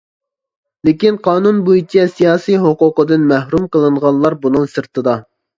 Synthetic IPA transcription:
lɪkʲinqʰɑːnunbuit͡ʃʰɛsijɑːsijɦoqʊqəd̪ɨnmɛhɾumqəlˠɨɴʁɑnˠlˠɑɾbunɨŋsɨɾt̪ɨd̪ɑ

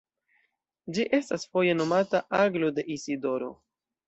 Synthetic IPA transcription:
d͡ʒiʔe̞stasfo̞je̞no̞mataʔaɡlode̞ʔisido̞ɾo̞̰

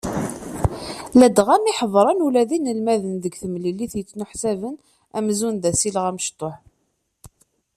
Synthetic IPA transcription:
læd̪ʁæniħəðˤɾˤɑnulæðinəlmæðənðəɡθəmliliθjət͡sːnʊħsævən | æ̰mzunðæsiləʁæməʃt̪ˤːoħ

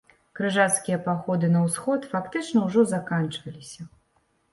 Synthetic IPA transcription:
kɾɨʐat̪skʲijɐpaxɔd̪ɨnɐwsxɔt̪fakt̪ɨt͡ʂnɐwʐɔzakant͡ʂvɐlʲisʲɐ

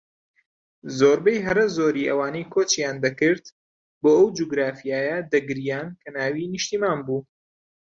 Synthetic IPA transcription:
zoːɾbɐjɦɐɾɐzoːɾiːʔɐwaːnejkʰot͡ʃjaːnd̪ɐkɨɾt̪ | boːʔɐwd͡ʒuɡɾaːfijaːjɐd̪ɐɡɨɾijaːnkʰɐnaːwiniʃt̪iːmaːnbuː

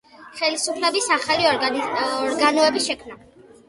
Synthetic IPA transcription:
χɛlisupʰlɛbisaχali | ɔɾɡanɔɛbiʃɛkʰmna

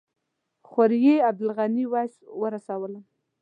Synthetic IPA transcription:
xaɾjeab̚d̪ʊlɣaniwɑswəɾasawəla

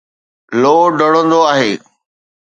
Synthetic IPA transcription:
loːɖəɽ̃ə̃nd̪oaːɦeː

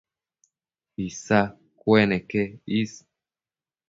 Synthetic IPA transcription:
isa | kwɛnɛkɛis

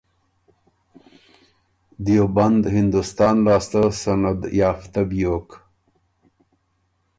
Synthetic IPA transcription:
d̪joband̪hɪnd̪ust̪ɑːnlɑːst̪asanad̪jɑːft̪abjoːk

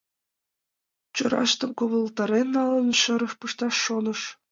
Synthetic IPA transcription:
t͡ɕɤ̆ɾɑ̰ʃt̪ɤ̆mkoʋɤ̆lˠt̪ɑɾʲenːɑlˠɤ̆nʃɤ̆ɾɤ̆ʂpɯʃt̪ɑʂːonɤ̆ʃ

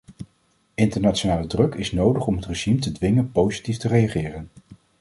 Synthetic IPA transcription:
ɪntəɹnaːtt͡ʃonaːlədrɵkɪsnowdəχɔmɦətreʒimtədʋɪŋənpowzi̥tiftərejaχɪːrən

